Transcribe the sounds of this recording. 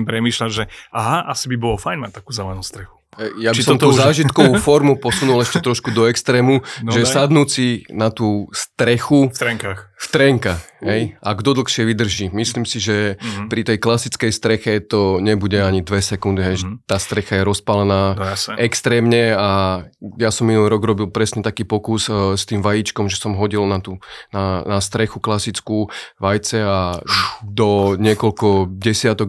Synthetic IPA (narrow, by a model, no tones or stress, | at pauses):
impɾɛmiːʃlaʒɛaɦaʔasibibɔlɔfajnmat̪akuːzaanuːst̪ɾɛxu̥ | jabiisɔmt̪uːzaːʒit̪kɔʋufɔɾmupɔsunulɛʃcɛt̪ɾɔʃkud̪ɔɛkst̪ɾɛːmuʒɛsad̪nuːt͡sinat̪uːst̪ɾɛxust̪ɾɛŋkaːxft̪ɾɛŋkaxɦɛjaɡd̪ɔd̪l̩ˠxʃɪɛʋid̪r̩ʒiːmisliːmsiʒɛpɾit̪ɛjklasit͡skɛjst̪ɾɛxɛt̪ɔɲɛbuɟɛaɲid̪ʋɛsɛkund̪iɦɛjʒɛt̪aːst̪ɾɛxajɛɾɔspalɛnaːɛkst̪ɾɛːmɲɛajasɔmːinuliɾɔɡɾɔbilpɾɛsɲɛt̪akiːpɔkusst̪iːmʋajiːt͡ʃkɔmʒɛsɔmɦɔɟilnat̪unanast̪ɾɛxuklasit͡skuːʋajt͡sɛa | d̪ɔɲɪɛkɔlkɔɟɛsɪat̪ɔɡ